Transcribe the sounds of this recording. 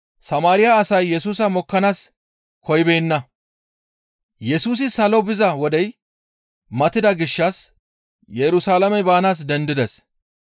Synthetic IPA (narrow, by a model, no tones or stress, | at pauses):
sɐmaːɾɪjaːsɐjːɛsuːsɐmɔkːɐnaːs | kɔjbeːnːɐ | jɛsuːs̬ɪsɐlɔbɪzɐwɔd̪ɛj | mɐt̪ːɪd̪ɐɡɪʃːɐs | jɛɾʊsaːlɐmɛbaːnaːs̬d̪ɛnd̪ɪd̪ɛs